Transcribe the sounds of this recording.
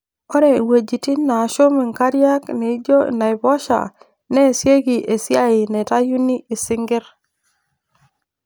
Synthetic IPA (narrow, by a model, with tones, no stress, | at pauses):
o˦ɾe˨we˨d͡ʒi˨ti˦na˨ʃo˦mi˨ŋka˦ɾija˦kne˨˦d͡ʒo˦na˨i˨bo˦ʃa̰˨ | ne˦˨si˦e˦ɡi˨ʔe˨si˦a˦i˨ne˨ta˦ju˦ni˦ʔi˨si˦ŋɡi˦ɾ